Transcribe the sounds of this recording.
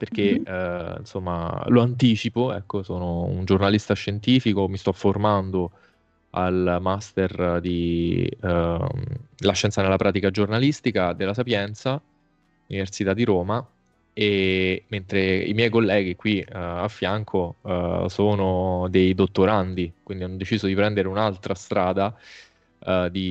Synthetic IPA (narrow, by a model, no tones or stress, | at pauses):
perk̟eḭnsomːa̰loant̪iːt͡ʃipoɛ̰kːosoːnoṵnd͡ʒornalist̪aʃːent̪iːfikomist̪ɔfːormand̪o | a̰lmast̪erd̪i | laʃːɛnt̪sanelːapɾaːt̪̬ikad͡ʒornalist̪ikad̪elːasapjɛnt̪sa | universit̪ad̪ːiɾoːma | ement̪ɾeḭmjɛjkolːɛːɡ̟ikːwiafːjaŋkʰosoːnod̪ejd̪ot̪ːoɾand̪ikwind̪ianːod̪et͡ʃiːzod̪ipɾɛnd̪eɾeunalt̪ɾast̪ɾaːd̪a | d̪i